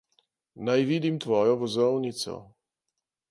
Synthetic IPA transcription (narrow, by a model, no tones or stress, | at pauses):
najʋid̪imt̪ʋɔːjɔvɔzɔwnit̪sɔ̰